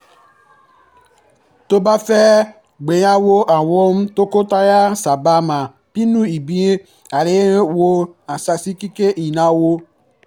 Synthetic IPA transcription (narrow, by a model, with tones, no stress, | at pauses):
to˦ba˦fɛ˦ | ɡ͡be˨ja˦wo˦ʔa˨wo˦m˦to˦ko˦ta˦ja˦sa˨ba˦ma˨ | pi˦nu˦i˨bi˦e˦ | a˨ɾe˦wo˦a˨sa˨si˦ki˦ke˦ʔi˨na˨wo˦